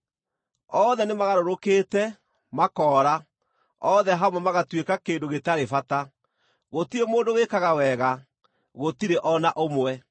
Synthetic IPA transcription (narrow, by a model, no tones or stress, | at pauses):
ɔðɛnemaɣaɾoɾokeːtɛ | makɔːɾa | ɔðɛɦaomamaɣatwekakeːndoɣetaɾefata | ɣotiɾemoːndowekaɣawɛɣa | ɣotiɾeʔɔnaʔomwɛ